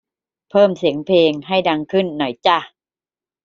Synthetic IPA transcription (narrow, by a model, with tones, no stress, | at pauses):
pʰɤː˥˩msi˩˦əŋpʰeː˧ŋɦa˥˩jda˧ŋkʰɯ˥˩nːɔ˨˩jt͡ɕa˧˩